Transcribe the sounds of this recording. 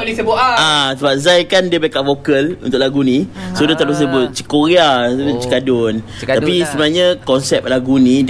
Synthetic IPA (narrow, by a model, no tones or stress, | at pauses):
lisəbuasəbap̚zajkandiəbaikaʔfokəlṵnt̪ʊk̚ʔlaɡunisodat̪aʔbəs̬əbʊt̪̚t͡ʃi̥koɾiaəbʊt͡ʃi̥kadʊn | apisəbənaɲãkɔnsɛp̚laɡuni